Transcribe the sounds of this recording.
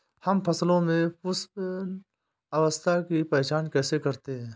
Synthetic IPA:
hɐmpɐslõmẽʊs | aʋəst̪ʰakipɛːt͡ʃaːnkɛːsekɐɾt̪eɦɛ̃ː

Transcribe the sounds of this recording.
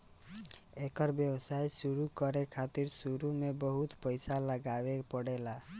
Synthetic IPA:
ekəɾbjebsajsuɾukəɾekʰat̪iɾsuɾumebəɦut̪pəjsaləɡabepəɽela

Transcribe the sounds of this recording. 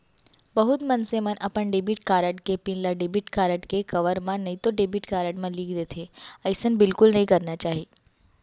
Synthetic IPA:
bɐɦʊt̪mɐnsemənʔɐpəɳɖebiʈkaːɾəʈkepĩnlaɖebiʈkaːɾəʈkekɐʋəɾmãnɐɦĩt̪oɖebiʈkaːɾəʈmãliːɡd̪eːt̪ʰeɐɪsənbɪlkʊlnɐɦĩkɐɾnat͡ʃaːɦi

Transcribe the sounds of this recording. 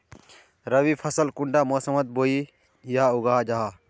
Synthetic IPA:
ɾɐʋiːpʰɐsəlkʊɳɖaːmoːsəmɐt̪̚boːi | jaaʊɡaːɦad͡ʒaːɦaː

